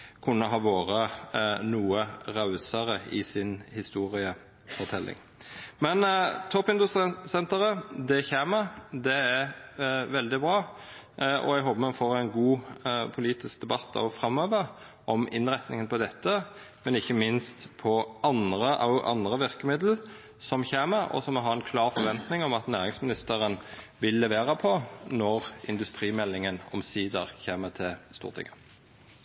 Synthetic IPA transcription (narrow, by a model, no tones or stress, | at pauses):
kʰʉnːəɦɑːʋoːɾənuːəʁɑʉsəʁəɪ̰sɪnhɪst̪uːɾɪə | fɔʁt̪ʰɛlːʔɪ̰ŋ | mɛnt̪ʰɔpːɪnd̪ʉst̪sɛnt̪əɾəd̪ɛçeːməd̪ɛæɾʋɛld̪ɪbɾɑː | ɔ̰æɡɦoːbəmɑnfoːɾæɪnɡuːpʰʊliːt̪ɪskd̪ɛbɑt̪ːɑ̰ʋɔfɾɑmːøːʋə | ʔɔmɪ̰nʁɛt̪nɪŋənpʰɔd̪ɛt̪ːə | mɛnɪçːəmɪnst̪pʰɔɑnʁəʔɑ̰ʔɑ̰nd̪ʁəʋɪʁkəmɪd̪l̩ | sɔmçeːməɾɔ̰sɔmɔɦɑːɛnkʰlɑːʁfɔɾʋɛnt̪nɪŋɔmɑt̪næːʁɪŋsmɪnɪst̪əɾən | ʋɪlːɛʋeːʁəpʰɔnɔʁɪ̰nd̪ʉst̪ɾiːmɛlːɪŋənɔ̰msiːd̪ə̰ʁçeːmət̪ʰɪlst̪ṵːʁt̪ʰɪ̰ŋə